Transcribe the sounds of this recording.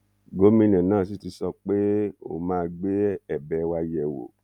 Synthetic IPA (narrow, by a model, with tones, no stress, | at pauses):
ɡo˨˦mĩ˧nɛ̃˨nãː˦˨si˨˦ti˧sɔ˧k͡pe˦o̰˦˨mãː˦˧ɡ͡be˦ɛ˦˨bɛ˨˦˧wa˧jɛ˨wo̰˨